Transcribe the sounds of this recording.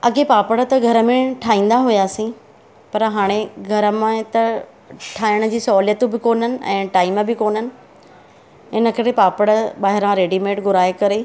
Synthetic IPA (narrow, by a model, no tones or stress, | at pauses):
ɐɡepaːpəɽə̆t̪ɐɡʱɐɾəmẽʈʰaːĩːn̆d̪aɦʊjaːsĩ | pɐɾɦaːɽ̃eɡʱɐɾəmãt̪ɐ | ʈʰaːɪɽ̃ə̆d͡ʑiːsɔːlijət̪ũbɪkoːnənɪ̆ɛ̰̃ːʈaːɪməbɪkoːn̤ənɪ̆ | ɪnəkɐɾepaːpəɽɓaːɦɪɾãɾeːɖimeːʈɡʊɾaːekɐɾe